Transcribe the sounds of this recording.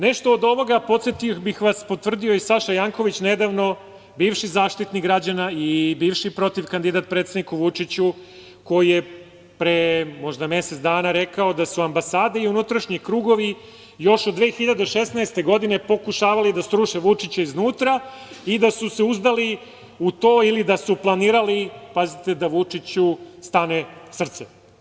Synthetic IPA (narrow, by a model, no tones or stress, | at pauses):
neʃt̪o̞ːd̪o̞ʋo̞ɡapo̞t̪sjet̪iobixʋaspo̞t̪vr̩d̪io̞isaʃajaːŋko̞ʋit͡ɕne̞d̪aʋno̞ | biːʋʃizaːʃt̪it̪niɡɾad͡ʑanaibiːʋʃipɾo̞t̪iʋkand̪id̪at̪̚pɾet̪sed̪nikuʋut͡ʂit͡ɕu | ko̞jije | pɾemo̞ʒd̪ame̞set̪d̪aːnaɾe̞kaod̪asuambasaːd̪eiunut̪ɾaʃɲikɾuːɡo̞ʋi | jo̞ʃod̪dːʋe̞ːxiʎad̪eʃesnaest̪e̞ɡo̞d̪ine̞po̞kuʃaːʋalid̪ast̪ɾuʃeʋut͡ʂit͡ɕaiznuːt̪ɾa | id̪asuse̞uzd̪ali | ut̪oːilid̪asuplˠaniːɾalipazit̪e̞d̪aʋut͡ʂit͡ɕust̪ane̞sr̩t̪se